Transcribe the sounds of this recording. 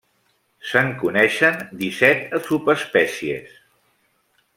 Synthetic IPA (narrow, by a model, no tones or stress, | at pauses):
səŋkunɛʃənd̪isɛt̪əsupəspɛsiḛs